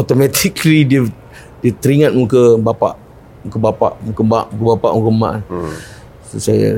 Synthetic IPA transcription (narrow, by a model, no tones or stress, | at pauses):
at̪omɛt̪ʰiklidiə | diət̪əɾiŋãt̪̚mũkəbapa̰ʔ | mukəbapa̰ʔmukəba̰ʔmukəbapa̰ʔmũkəma̰ʔn | ssaja̰